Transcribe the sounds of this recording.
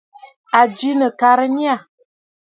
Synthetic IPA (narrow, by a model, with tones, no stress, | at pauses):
a˨d͡ʒi˦nə˨ka˨ɾə˦ni˦a˦˨